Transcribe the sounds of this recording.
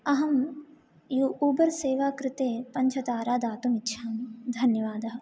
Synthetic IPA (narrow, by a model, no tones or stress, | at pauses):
ɐɦɐm | juʔuːbɐɾseːʋaːkɾɪt̪eːpɐɲt͡ʃʰɐt̪aːɾaːd̪aːt̪umɪtːʃʰaːmd̪ʱɐnjɐʋaːd̪ɐɦɐ